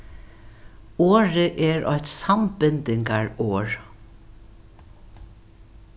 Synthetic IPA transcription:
oːɹəʔɛːɹʔɔ̰ht̪sambɪnt̪ɪŋkaɹoːɹ

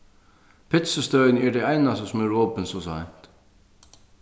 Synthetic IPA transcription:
pʰɪt̪səst̪œːɥnɛɹd̪ɛajnast̪əsɔmɛɹvoːpənsɔsa̰jn̥t̪

